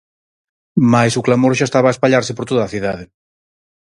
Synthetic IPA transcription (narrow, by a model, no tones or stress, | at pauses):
majsʊklamoɾʃ̬aest̪aβaespaʎaɾsɪpoɾt̪oðaːθiðaðɪ